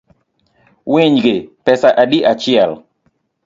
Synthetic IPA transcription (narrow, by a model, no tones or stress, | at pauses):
weɲɡepɛsaʔadiʔat͡ʃɪɛl